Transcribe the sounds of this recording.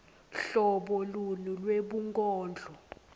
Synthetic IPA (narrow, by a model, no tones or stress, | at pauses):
ɬɔɓɔlulilweɓuŋkʼɔːnd͡ɮʱɔ